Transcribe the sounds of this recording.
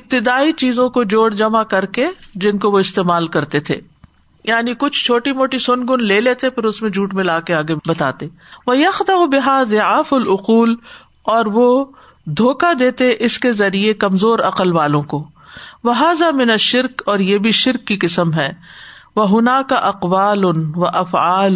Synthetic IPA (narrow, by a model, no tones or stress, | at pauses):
ɪb̚t̪ɪd̪aːit͡ʃiːzõkod͡ʒoːɽd͡ʒɐmakɐɾked͡ʒɪnkoʋoɪst̪eːmaːlkɐɾt̪et̪ʰḛː | jaːnikʊt͡ʃʰt͡ʃʰoːʈimoːʈisʊnɡʊnleːleːt̪epɐɾʊsmẽd͡ʒʱuːʈmɪ̃laːkeaːɡebɐt̪a̰ːt̪eː | ʋɐjɐxd̪ɐbɪɦazɪaːfɐlʊquːl | ɔːɾʋo | d̪ʱoːkad̪eːt̪eʔɪskezɐɾiekɐmzoːɾɐqəlʋaːlõko | ʋɐɦaːzamɪnɐʃːɪɾkɔːɾjeːbʱiʃɪɾkːiqɪsəmɦɛː | ʋɐɦʊnaːkaʔɐqʋaːlʊnʋɐʔɐfaːl